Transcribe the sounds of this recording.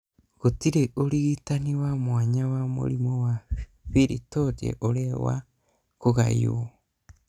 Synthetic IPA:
ɣotiɾeʔoɾiɣitaniwamwaɲawamṵɾimowafiɾitotiḛʔoɾewa̰ | koɣa̰ḭwo

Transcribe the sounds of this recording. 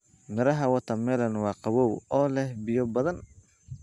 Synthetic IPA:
mɪɾɐɦɐwɐt̪ʰɐmɛːlɐnwɑːqɑwɔːwɔːlɛhbɪjɔbɐðɐn

